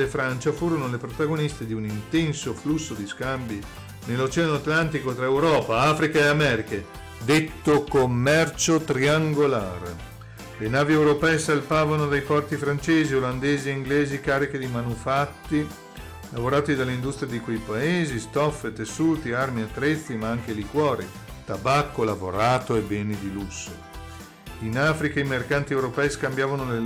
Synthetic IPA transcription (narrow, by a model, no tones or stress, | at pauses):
efɾant͡ʃafuːɾonolepɾot̪aɡonist̪ed̪iunint̪ɛnsoflusːod̪iskambi | nelːot͡ʃɛanoat̪lant̪ikot̪ɾaewɾɔːpaaːfɾikaeamɛːɾike | d̪et̪ːokomːɛrt͡ʃot̪ɾiaŋɡola̰ːr | lenaːviɛwɾopɛːesalpaːvanod̪ajpɔrt̪ifɾant͡ʃeːzioland̪eːzieiŋɡleːzikaːɾik̟ed̪imanufat̪ːi | lavoɾaːt̪id̪alːind̪ust̪ɾijad̪ikwejpaeːzist̪ɔfːet̪esːuːt̪iarmiat̪ːɾet̪sːimaaŋk̟elikwɔːɾḭ | t̪abakːolavoɾaːt̪oebɛːnid̪ilusːo̰ | inaːfɾikaeimerkant̪iɛwɾopɛːjskambjaːvanole